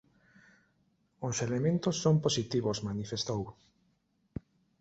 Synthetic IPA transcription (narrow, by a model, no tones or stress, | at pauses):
ʊselemẽnt̪ʊsːomposit̪iβʊsmanifest̪ow